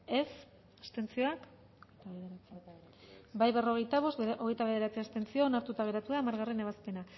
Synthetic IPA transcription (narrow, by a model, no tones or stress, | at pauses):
e̞s | est̪e̞nt͡sio̞ak | t̪et͡s | bajβe̞ro̞ɣ̞e̞jt̪aβ̞o̞st̪oɣe̞jt̪aβe̞ð̞e̞ɾat͡siast̪e̞nt͡sioːnaɾt̪ut̪aɣ̞e̞ɾat̪uðamaɾɣarine̞β̞aspe̞na